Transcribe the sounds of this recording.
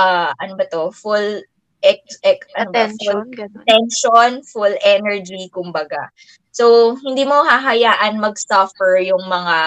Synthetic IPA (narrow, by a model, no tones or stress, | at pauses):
ʔaʔɐnobɐt̪oful | ʔɛk̚sɛkɐnfult̪ɛnʃonfulʔɛnɛɹd͡ʒikʊmbɐɡa | sowhɪnd̪iːmoɦaɦɐjaːʔɐnmɐɡsɐfɛɹjʊŋmɐŋa